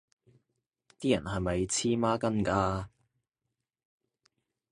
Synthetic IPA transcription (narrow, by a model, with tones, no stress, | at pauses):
t̪iː˥jɐ̰˨˩nɦɐ˨jmɐ˨jt͡sʰiː˥maː˥kɐ˥nkaː˧